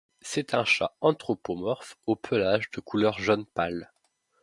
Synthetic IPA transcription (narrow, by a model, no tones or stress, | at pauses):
sɛt̪ʰɛ̃ʃa̰ɑ̃t̪χopomɔʁfopʰəlaʒd̪əkʰulœʁʒɔnpal